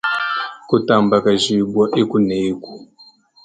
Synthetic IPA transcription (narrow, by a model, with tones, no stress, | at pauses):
ku˦ta˨mba˨ka˨ʒi˨bwa˦ʔe˦ku˦neː˨˦ku˨